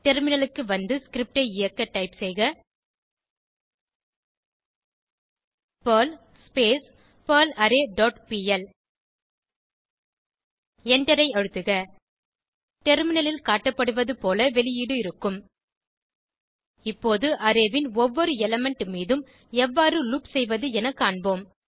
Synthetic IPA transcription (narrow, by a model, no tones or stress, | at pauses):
ʈɛɾmɪnɐlɯkːɯʋɐnd̪ɯskɪɾɪp̚ʈɐɪɪjɐkːɐʈːɐɪpsɛjɣɐ | pɐːl | speːs | pɐːlɐɾeːɖɔːʈpiːɛl | ɛɳɖɐɾɐɪɐɻɯt̪ːɯɣɐ | ʈɛɾmɪnɐlɪlkaːʈːɐpːɐɽɯʋɐðɯpoːlɐʋɛlɪjiːɽɯɪɾɯkːɯm | ɪpːoːðɯʔɐɾeːʋɪnɔʋːɔɾɯɛlɐmɛɳʈmiːðɯm | ɛʋːaːɾɯlupsɛjʋɐðɯɛnɐkːaːɳboːm